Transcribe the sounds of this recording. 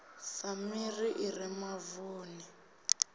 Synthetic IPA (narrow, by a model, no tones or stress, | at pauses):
famiriʔirimavuːni